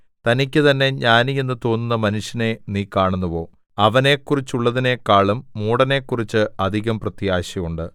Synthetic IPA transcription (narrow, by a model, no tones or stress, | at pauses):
t̪ɐnikʲːɨt̪ɐnːe̞ɲaːnijenːɨt̪o̞ːnːunːɐmɐnuʂjɐne̞niːkaːɳunːuʋo̞ː | ɐʋɐne̞kːurit͡ɕːuɭːɐðine̞kaːɭumːuːɽɐne̞ːkːurit͡ɕːɨɐd̪ʱiɣɐmprɐt̪ijaːɕɐjuɳɖɨ